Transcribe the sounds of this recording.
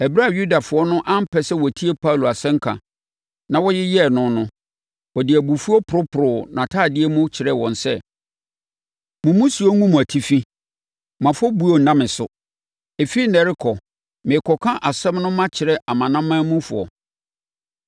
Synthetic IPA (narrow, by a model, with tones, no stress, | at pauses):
ɛ˨bɪ˦ɾa˨ju˦da˨fʊ˨ɔ˦nʊ̃˦ʔã˦m̩˦pʰɛ˦sɛ˦wɔ˨æ˨tʰi˦e˦pʰa˦u˨lo˨a˨sɛ̃˦ŋ̩˦kʰã̰˨ | nã˨wɔ˦jɪ˦jɛ˦˨nʊ̃˨nʊ̃˦ | wɔ˨dɪ˨æ˨bu˨fu˦ɔ˦pʰʊ˨ɾʊ˦pʰʊ˨ɾʊ˨nã˨tʰaː˦˨dɪ˦ɛ˦mʊ̃˦t͡ɕʰɪ˨ɾɛ˦wɔ̃˨nsɛ˦ | mʊ̃˨mʊ̃˦su˨˦ɔ˦ŋũ˦mũ˨æ˨tʰi˦fi˦ | mã˨fɔ˦bu˨˦o˨n̩˨nã˦mɪ̃˨sʊ˦˨ | e˨fi˦i˦nɛ˨ɾɪ˦kʰɔ˨ | mɪ̃˨kʰɔ˨kʰã˦ʔa˨sɛ̃˦mnʊ̃˦mã˦t͡ɕʰɪ˨ɾɛ˦ʔa˨mã˨nã˦mã˦mũ˦fʊ̰˨ɔ̰˨